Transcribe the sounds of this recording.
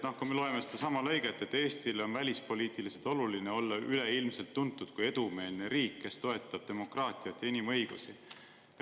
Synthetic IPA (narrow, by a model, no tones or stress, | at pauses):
nɑhkumelo̞e̞mesed̪ɑsɑmɑlɤ̞jɡ̥e̞t̪ːˑe̞t̪ːe̞ːst̪ileo̞nvælʲispo̞liːt̪ˑilise̞lt̪ˑo̞lulineo̞lːɑʔyle̞ilmse̞lt̪ːunt̪ːˑud̪̥̚kuje̞d̪̥ume̞ːlne̞ɾiːkːe̞st̪o̞e̞t̪ːˑɑb̥̚t̪e̞mo̞krɑːt̪ˑiɑt̪ːˑjinimɤ̞jɡ̥usi